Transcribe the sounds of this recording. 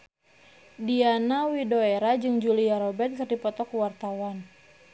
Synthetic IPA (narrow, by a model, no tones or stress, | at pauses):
dianawidoeɾad͡ʒɨŋd͡ʒuliaɾɔbɛt̪̚kɨrdipɔt̪ɔkuwart̪awan